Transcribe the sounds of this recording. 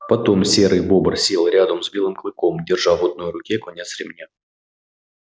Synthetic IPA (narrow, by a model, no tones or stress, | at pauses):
pɐt̪omsʲeɾɨjbo̞bərsʲelˠɾʲad̪əmzbʲilˠɨmklˠɨkomdʲɪrʐɑvɔd̪̚nojɾʊkʲekɔnʲet̪sɾʲɪmnʲa